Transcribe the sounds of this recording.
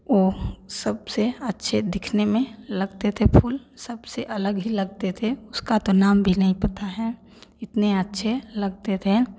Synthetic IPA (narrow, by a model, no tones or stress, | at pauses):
ʋoːsɐbseɐtːʃʰed̪ɪkʰnemẽlɐɡt̪et̪ʰepʰuːlsɐbseʔɐləɡɦilɐɡ̚t̪et̪ʰeʊskat̪onaːmbʱinɐɦĩpɐt̪aɦɛː | ɪt̪neɐtːʃʰelɐɡt̪et̪ʰe